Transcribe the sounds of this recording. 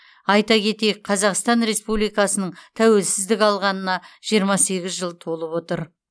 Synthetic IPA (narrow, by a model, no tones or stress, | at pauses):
ɑjt̪ɑkʲʰe̞t̪e̞jɪk̚qʰɑzɑqst̪ɑnɾe̞spublijkɑsənəɴt̪ʰæwe̞lsɪzd̪ɪkʲɑlˠʁɑnənɑʒ̥ijəɾmɑse̞ɡʲɪzʒəlˠt̪ʰo̞lˠəpwo̞t̪əɾ